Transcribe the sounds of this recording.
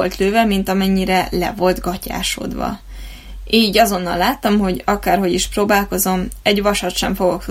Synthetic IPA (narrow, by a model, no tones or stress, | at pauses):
olt̪løːvɛmint̪ɒmɛɲːiɾɛlɛ̰vo̞lt̪ɡɒca̰ːʃo̞̰d̪ʋɒ̰ | eːiːɟɒzo̞nːɒ̰lːaːt̪ːɒmɦo̞ɟɒkaːrho̞ɟiʃproːbaːlko̞zo̞mɛɟvɒʃɒt̪ʃɛɱfo̞ɡo̞k